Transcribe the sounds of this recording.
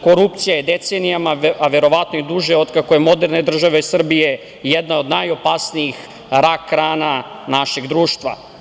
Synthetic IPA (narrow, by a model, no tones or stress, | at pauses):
ko̞ɾup̚t̪sijajed̪et̪senijamaaʋe̞ɾo̞ʋat̪noid̪uʒeo̞d̪kako̞je̞mo̞d̪eɾne̞d̪r̩ʒaʋeisr̩bije̞ | jed̪nao̞d̪najo̞pasnijix | ɾakːɾaːna | naʃeɡd̪ɾuːʃt̪ʋa̰